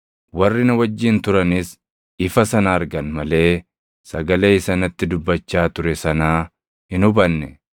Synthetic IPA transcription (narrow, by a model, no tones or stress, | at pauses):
wɐrːɪnɐwɐd͡ʒːɪnt̪ʊɾɐnɪs | ɪfɐsɐnɐːɾɡɐnmɐle̞ː | sɐɡɐle̞ːɪsɐnɐt̪ːɪd̪ʊbːɐt͡ʃːaːt̪ʊɾɛsɐnaː | hɪnʊbɐnːɛ